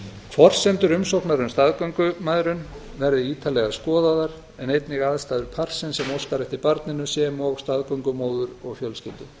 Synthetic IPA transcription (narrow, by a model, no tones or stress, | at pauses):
fɔr̥sɛnt̪ʏɾʏmsowknaɾʏmst̪aðkœɥŋkʏmaðɾʏn | vɛɾðɪiːt̪ʰalɛɣaskɔːðaðaɾ | ɛnejt̪nɪɣaːðst̪aːðʏɾpʰar̥sɪnsɛmowskaɾɛht̪ipaɾt̪nɪnʏsɛːmɔɣst̪aðkœwŋkʏmoːwðʏɾɔɣfjœlscɪlt̪ʏ